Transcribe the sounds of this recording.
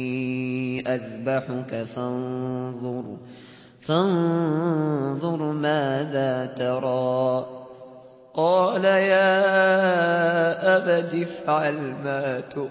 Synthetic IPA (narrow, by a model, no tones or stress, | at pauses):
ʔaðbaħʊkafɑnðˤʊɾ | fɑn | ðˤʊɾˤmaːðaːt̪ɑɾˤɑː | qɑːlajaː | ʔabad̪ɪfʕalmaːt̪ʊ